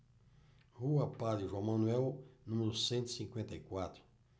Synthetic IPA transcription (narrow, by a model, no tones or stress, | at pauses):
huɐpad̪ɾiʒɐ̃w̃mɐ̃nuɛwnũmeɾʊsẽnt̪i̥sĩŋkwẽnt̪ɐikwat̪ɾʊ